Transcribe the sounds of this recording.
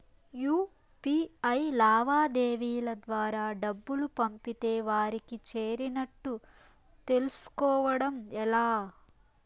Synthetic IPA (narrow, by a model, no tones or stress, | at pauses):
juː | piɐjlaːʋaːd̪eːʋiːlɐd̪ʋaːɾaːɖɐbːulupɐmpit̪e̞ːʋaːɾikit͡ʃeːɾinɐʈːu | t̪e̞lusu̥kɔːʋɐɽɐmɛlaː